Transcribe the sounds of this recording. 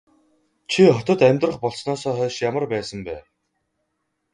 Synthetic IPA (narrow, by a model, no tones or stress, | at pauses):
t͡ɕʰiχɔt̪ɞ̆t̪æmʲt̪rə̆χpɔɮsnɔːsɔːχœːʃjamə̆rpæːsə̆mpæ̰ː